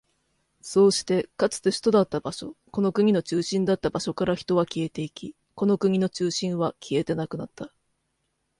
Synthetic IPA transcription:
so̞ːɕi̥t̪e̞kat͡sɨ̥t̪e̞ɕi̥t̪o̞d̪at̪ːabaɕo̞ko̞no̞kɯ̟ɲ̟ino̞t͡ɕɨːɕĩnd̪at̪ːabaɕo̞kaɾaçi̥t̪o̞β̞akʲie̞t̪e̞ikʲi | ko̞no̞kɯ̟ɲ̟ino̞t͡ɕɨːɕĩɰ̃βakʲʰie̞t̪e̞nakɯ̟nat̪ʰːa

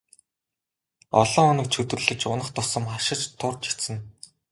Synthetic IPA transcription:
ɔ̰ɮɞ̆ŋɔnɞ̆k̚t͡ɕʰɵt̪ɘ̆rɮɘ̆t͡ɕʊnə̆χt̪ʰʊsə̆mχaʃɪ̆t͡ɕt̪ʰːʊrt͡ɕi̥t̪sɘ̆n

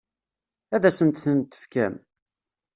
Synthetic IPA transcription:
æðæsənt̪θənt̪ːə̥fkæ̰m

